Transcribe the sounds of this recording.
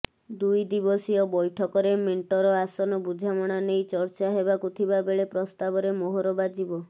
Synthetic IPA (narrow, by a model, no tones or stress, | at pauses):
d̪ujd̪ibɔsiɔbɔjʈʰɔkɔɾemeɳʈɔɾɔasɔnɔbud͡ʒʱamɔɽ̃anejt͡ʃɔɾt͡ʃaɦebakut̪ʰibabeɭepɾɔst̪abɔɾemoɦɔɾɔbad͡ʒibɔ